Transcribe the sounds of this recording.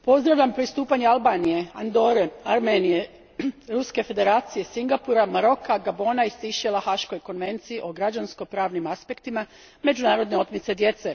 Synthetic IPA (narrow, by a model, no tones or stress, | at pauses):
po̞zd̪ɾaʋʎʲampɾist̪uːpaɲealbaːnije̞and̪o̞ɾeaɾmenije̞ | ɾuske̞fe̞d̪e̞ɾaːt̪sije̞siŋɡapuɾamaɾo̞kaɡabo̞naist̪iʃelaxaʃko̞jko̞nʋe̞nt̪siiʔo̞ɡɾad͡ʒansko̞pɾaːʋnimaspe̞kt̪ima | me̞d͡ʒunaːɾo̞d̪ne̞o̞t̪mit̪se̞d̪je̞t̪se